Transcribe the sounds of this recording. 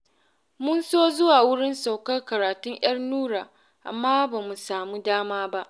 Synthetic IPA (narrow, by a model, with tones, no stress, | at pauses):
mʊ˦nsoː˦zʊ˦waː˨wʊ˦ɽɪ˦nsa˨wkɐ˦rkɐ˨ɾaː˨tʊ˦ɲj̰ɐ˦rnuː˦ɾaː˨ | ʔa̰˨mːaː˦ba˨mu˨saː˨mu˦daː˦maː˦ba˦ʔ